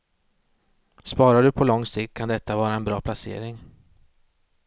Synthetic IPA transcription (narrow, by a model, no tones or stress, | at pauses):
spɑːɾaɖɵpʰɔlɔŋːsɪkt̪̚kʰand̪ɛt̪ːavɑːɾaɛnbɾɑːpʰlasḛːɾɪŋ